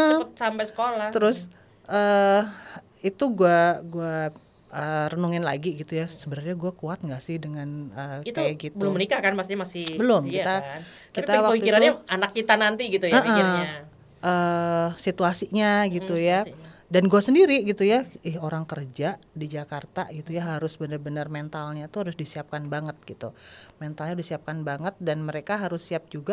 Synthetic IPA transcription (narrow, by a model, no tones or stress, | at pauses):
əʔət̪̚sampajsə̥kolaht̪əɾʊs | ʔəː | it̪uɡuaɡua | əːrənuŋɪnla̰ɡiɡit̪ujasəbəɾarɲaɡuakuat̪̚ŋɡaʔsɪhdəŋanəit̪eɡit̪̚bəlʊmənikahkanpakst̪iɲamasɪhbəlʊmkit̪an | kit̪awakəwituiɾanɲaanakːit̪anant̪iɡit̪ujəaʔə | ʔəːsit̪uasiɲaɡit̪ujadanɡuasəndiɾiɡit̪ujaɪhoɾaŋkərd͡ʒaʔdid͡ʒakart̪a̰ɡit̪ujaɦaɾʊsbənərbənərment̪alɲat̪uhaɾʊsdisiap̚kanbaŋət̪̚ɡ̥it̪ṵmɛnt̪alɲadisiap̚kanbaŋət̪̚danməɾekaɦaɾʊsːiap̚d͡ʒuɡa